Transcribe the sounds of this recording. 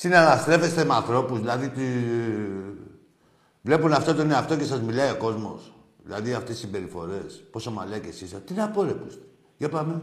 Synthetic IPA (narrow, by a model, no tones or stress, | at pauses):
sinalast̪ɾe̞fe̞st̪e̞meanθɾo̞puzðilɐðit̪i | vle̞punɐft̪ot̪oineaft̪o̞ce̞sɐzmilɐio̞ko̞zmo̞̰s | ðḭlɐ̰ðiɐft̪ei̥simbe̞ɾifo̞ɾe̞spo̞somalecesisɐt̪ineɐpo̞ɾepust̪e̥ | ʝɐpɐme